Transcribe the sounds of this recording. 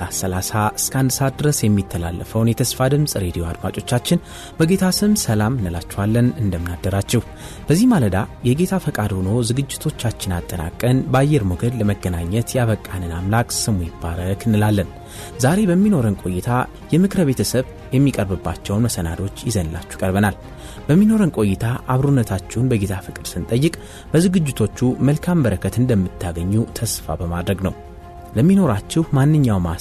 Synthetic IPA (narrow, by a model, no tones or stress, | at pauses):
asəlasaʔɨskʰəand̪ɨsad̪ɾəsjɛmːit̪ʰːəla̰lːəfəwnjɛt̪ʰəsfad̪ɨmsʼɾe̞d̪ijo̞ad̪mat͡ʃʼo̞t͡ʃːat͡ʃːɪn | bəɡe̞t̪ʰasɨmsəlamɨnːɨlat͡ʃːɛhalːənɨnd̪əmɨnad̪ːəɾat͡ʃːɛh | b̥əzːihmaləd̪ajɛɡe̞t̪ʰafəkʼad̪ho̞no̞zɨɡɨd͡ʒːɪt̪ʰo̞t͡ʃːat͡ʃːɪnat̪ʼːəna̰kʼːənbajːɛɾmoɡəd̪ləməɡːənaɲːɛt̪jaβəkʼːanɨnamlakʼsɨmujɪbːaɾəkɨnːɨlalːən | zaɾe̞bəmːino̞ɾənkʼo̞jːɪt̪ʰa | jɛmɨkɾəβe̞t̪ʰəsəβ | jɛmːikʼəɾbɨbːat͡ʃːɛwnməsəna̰d̪o̞t͡ʃːjɪzənɨlʔa̰t͡ʃːu̥kʼəɾβənal | bəmːino̞ɾənkʼo̞jɪt̪ʰaʔaβɾunːət̪ʰat͡ʃːɛwnbəɡet̪ʰafɨkʼɨd̪sɨnt̪ʼəjːɪkʼ | b̥əzɨɡɨd͡ʒːɪt̪ʰo̞t͡ʃːuməlkʰambəɾəkʰət̪ɨnd̪əmːɨt̪ʰːaɡəɲːut̪ʰəsfa̰bəmad̪ɾəɡnəw | ləmːino̞ɾat͡ʃːɪhmanːɨɲːawma